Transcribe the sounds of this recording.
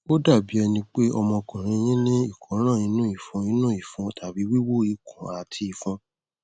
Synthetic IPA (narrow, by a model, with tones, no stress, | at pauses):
o˦da˦˨bi˨˦ɛ˧nĩ˧k͡pe˦ʔɔ˧mɔ̃˧kɔ̃˨ɾ̃ĩ˧j̃ĩ˦lĩ˦i˦˨kʰɔ̃˨˦ɾ̃ã˦˨ĩ˧˦nũ˦i˦˨fũ˧˦ĩ˧˦nũ˦i˦˨fũ˧tʰa˨bi˨˦wi˦wo˦˨i˨kũ˨a˨tʰi˧i˨fũ˧